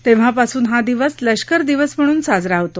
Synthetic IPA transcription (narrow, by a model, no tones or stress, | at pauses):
t̪eʋ̤apasuːnɦad̪iʋəsləɕkəɾd̪iʋəsm̤əɽ̃uːnsad͡zɾaɦt̪o